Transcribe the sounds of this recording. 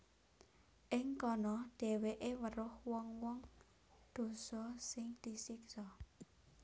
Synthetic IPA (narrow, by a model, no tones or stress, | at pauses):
ʔɪŋkɔnɔɖ̪̥e̤weʔewəɾʊhwɔŋwɔŋ | d̪̥o̤sɔsɪŋd̪̥i̤sɪksɔ